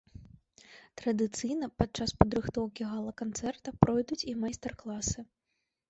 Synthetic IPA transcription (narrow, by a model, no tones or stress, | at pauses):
t̪ɾɐd̪ɨt̪sɨjnɐpatt͡ʂaspɐd̪ɾɨxt̪ɔwkʲiɣalˠɐkant̪sɛrt̪ɐpɾɔjd̪ut͡sʲimajst̪ɛrklˠasɨ